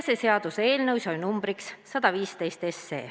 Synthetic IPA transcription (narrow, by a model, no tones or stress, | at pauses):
seseɑd̪̥use̞ːlnɤwsʲɑjnumb̥ɾiksːɑd̪̥ɑviːst̪e̞jst̪e̞sːe̞̰ː